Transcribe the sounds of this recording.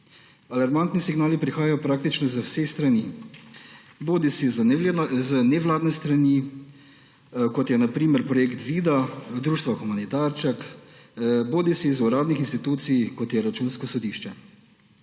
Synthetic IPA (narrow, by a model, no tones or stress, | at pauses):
alaɾmant̪nisiɡnaːlipɾixaːjajɔpɾaːkt̪it͡ʃnɔzəwsest̪ɾani | boːd̪isizzənɛʋlaːd̪nɛst̪ɾani | kɔt̪jɛnapɾiːmɛɾpɾɔjekt̪ʋiːd̪ad̪ɾuːʃt̪ʋaxumanit̪aːɾt͡ʃak | boːd̪isizuɾaːd̪nixinst̪it̪uːt̪sijkɔt̪jɛɾat͡ʃuːnskɔsɔd̪iʃt͡ʃɛ